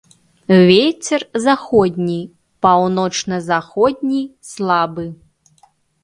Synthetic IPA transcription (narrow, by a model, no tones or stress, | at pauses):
vʲet͡sʲɛrzaxɔd̪ʲnʲi | pawnɔt͡ʂnɐzaxɔd̪ʲnʲislˠabɨ